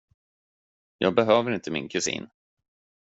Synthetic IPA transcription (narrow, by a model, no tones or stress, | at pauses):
jɑːɡ̚bɛɦøːvəɾɪnt̪əmɪnkʰɵsḭːn